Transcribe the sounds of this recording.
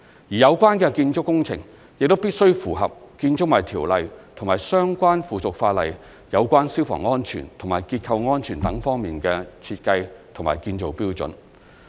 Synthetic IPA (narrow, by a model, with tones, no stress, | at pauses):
jiː˨jɐ˨˧wkʷaː˥nkɛː˧kiː˧nt͡ʃʊ˥kːʊ˥ŋt͡sʰɪ̰˨˩ŋ | jk̚t̪o˥wpiː˥t̚sɵ˥ɥfuː˨˩ɦɐ˨p̚kiː˧nt͡ʃʊ˥k̚maː˨˩jt̪ʰiː˨˩wlɐ˨jt̪ʰʊ˨˩ŋmaː˨˩jsœː˥ŋkʷaː˥nfuː˨˩t͡sʊ˨k̚faː˧t̚lɐ̰˨j | jɐ˨˧wkʷwaː˥nsiː˥wfɔ̰˨˩ŋːɔː˥nt͡ʃʰy̰ː˨˩nt̪ʰŋmaː˨˩jkiː˧t̚kʰɐ˧wŋɔː˥nt͡ʃʰyː˨˩nt̪ɐ˨˥ŋfɔː˥ŋmiː˨nkɛː˧t͡sʰiː˧t̚kɐ˧jt̪ʰʊ˨˩maː˨˩jkiː˧nt͡so˨wpiː˥wt͡sɵ̰˨˥n